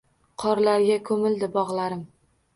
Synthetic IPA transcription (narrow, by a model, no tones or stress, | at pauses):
qʰɒɾlaɾɡʲakʰɵmɪld̪ɪbɒʁlˠaɾɪm